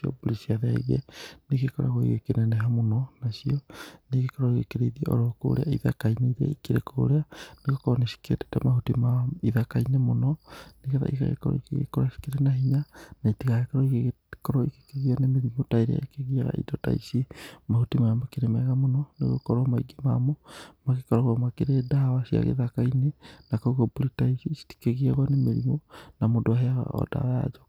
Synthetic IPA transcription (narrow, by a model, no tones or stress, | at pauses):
iɔ̰bolisiaðɛ̰ɣɛ̰neɣekɔɾa̰ɣoḭɣokenɛnɛɦamonɔnasiɔneɣekɔɾɔiɣekeɾeiðieʔɔ̰ɾɔko̰ɾḛa̰iða̰kaineiɾa̰ikeɾekoo̰ɾeaneɣokɔɾɔnesi̥keete̥tɛmahutimaiðakainemonɔnekeða̰ḭka̰ɣḛkɔɾɔ̰ikḛɣḛkɔɾasi̥keɾenaɦiɲanaitiɣaɣekaɾɔiɣ | kɔɾɔike̥keɣianemeɾimotaiɾḛja̰ekeɣiaɣa̰ʔḭdɔta̰isimahutimaamakeɾemɛɣamonɔnḛɣo̰kɔɾwamaiɡema̰mɔmaɣekɔɾɔɣwamakeɾedawasia̰ɣḛðakainenakoɣoboɾitaisiʃi̥ti̥keɣiaɣwanemeɾimonamodoaɦeaɣa̰ɔ̰da̰ɔja̰d͡ʒɔ